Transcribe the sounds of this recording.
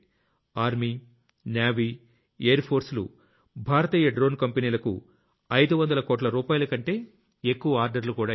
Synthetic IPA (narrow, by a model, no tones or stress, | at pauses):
aːɾmi | njaːʋiː | ejɐɾpʰo̞ːɾslṵ | bʱaːɾɐt̪iːjɐɖɾoːnkɐmpɐniːlɐkṵ | ɐjd̪uʋɐnd̪ɐlɐkoːʈlɐɾuːpaːjɐlɐkɐɳʈe̞ː | ekːuʋɐaːɾɖɐɾlukuːɽaː